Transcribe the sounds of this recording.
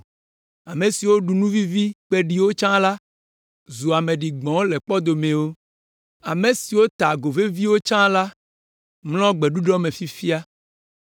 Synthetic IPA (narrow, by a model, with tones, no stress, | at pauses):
a˨me˨si˨wo˦ɖu˨nũ˦vi˦vi˦k͡pe˦ɖi˨wo˦t͡ʃã˦la˦ | zu˨a˨mẽ˨ɖi˨ɡ͡bɔ̃˨˦le˨k͡pɔ˦d̪o˨mẽ˨wo˦ | a˨me˨si˨wo˦t̪a˨ɡo˨ve˦vi˦wo˦t͡ʃã˦la˦ | ml̃ɔ̃˦ɡ͡bɛ˨ɖu˦ɖɔ˦mẽ˨fi˦fi˦a˦